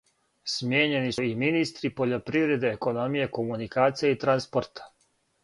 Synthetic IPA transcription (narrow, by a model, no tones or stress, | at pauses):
smjeːɲe̞nisuiminist̪ɾipo̞ʎo̞pɾivɾe̞d̪e̞ːko̞no̞mije̞ko̞munikaːt̪sijeit̪ɾanspoɾt̪ʰḁ